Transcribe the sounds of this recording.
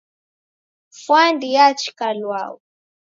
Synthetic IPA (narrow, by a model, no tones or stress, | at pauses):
fwandijat͡ʃi̥kalwa̰u